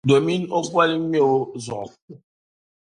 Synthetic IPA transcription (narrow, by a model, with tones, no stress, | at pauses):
do˨mi˦no˦ɡwa˦li˦m˦e˦˨o˦zɔ̰˨ku˦